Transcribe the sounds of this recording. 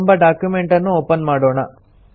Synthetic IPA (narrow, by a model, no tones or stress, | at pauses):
mbɐɖaːkjumeɳʈɐnːuoːpɐnmaːɽoːɳɐ